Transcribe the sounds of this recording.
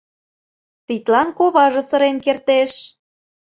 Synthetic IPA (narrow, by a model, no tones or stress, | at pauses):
t̪it̪lɑnkoβɑʒɤ̆sə̆ɾenkert̪eʃ